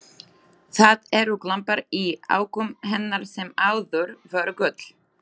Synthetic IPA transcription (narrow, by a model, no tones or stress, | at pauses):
θaðɛɾuklampaɾia̰ːwkʏmɦɛnːaɾ̥sɛmaːwðʏɾvœɾkœt̪l̥